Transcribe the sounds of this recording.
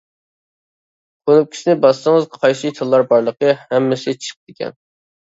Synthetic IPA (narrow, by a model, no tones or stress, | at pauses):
qʰonup̚kʲʰi̥ʃinɪbɑst̪əŋəzqʰɑjsɨt̪ʰɨlˠːɑɾbɑɾlˠəqəhɛmːɪsɪt͡ʃʰə̥q̚d̪ɪkʲɛ̰n